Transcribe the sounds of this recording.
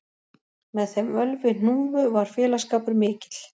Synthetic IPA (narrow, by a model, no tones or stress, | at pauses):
mɛðθɛmœlvɪn̥uːvʏvaɾ̥fjɛːlaskaːpʏɾmɪːcɪ̥t̪l̥